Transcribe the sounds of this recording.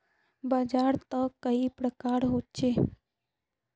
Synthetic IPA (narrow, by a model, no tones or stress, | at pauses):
bad͡ʒaɾt̪əkːəipɾəkaɾɦot̪̚t͡ʃe